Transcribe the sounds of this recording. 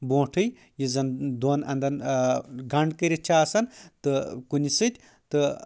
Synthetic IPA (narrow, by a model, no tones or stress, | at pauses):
bõːʈʰɨj | jizɐnd̪oːnɐ̰nd̪ɐnɡɐɳɖkɨɾʲit͡ʃʰaːsɐnt̪ɨkunʲisɨt̪ʲ | t̪ɨ